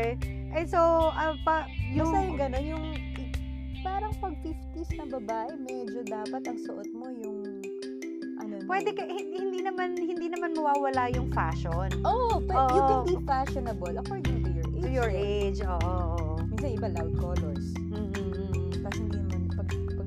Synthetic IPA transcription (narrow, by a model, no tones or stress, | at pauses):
ʔɛsoʔɐpɐjʊɐjʊɡɐno̞njʊŋ | paːɾɐŋpɐɡ̚fɪft̪isnɐbɐbaːʔɛmɛːd͡ʒod̪aːpɐt̪ɐŋsʊʔot̪̚mo̞jʊŋ | ʔɐnopwɛd̪ɛkɐhɪhɪnd̪inɐmanhɪnd̪inɐmanmɐwaːwɐlajʊŋfa̰ːʃonʔoʔpoʔjuɛkbifaʃonɐbɐlʔɐkoɹd̪ɪŋt̪ʊjɔɹʔḛujɔɹʔejd͡ʒʔoːʔoʔoʔ | minsɐnʔɪbɐlawd̪̚koːloɹs | mm̩ː | t̪ɐshɪnd̪inɐmɐnpɐɡ | pɐɡ̚